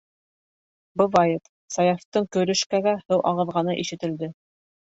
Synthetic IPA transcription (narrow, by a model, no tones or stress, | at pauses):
bɤ̆vɑjɤt̪ | sɑjɑft̪ɤɴkɵ̆ɾɵ̆ʃkæɡæhɘwʔɑ̰ʁɤ̆ðʁɑnɤʔiʃɘ̆t̪ɘ̆ld̪ɘ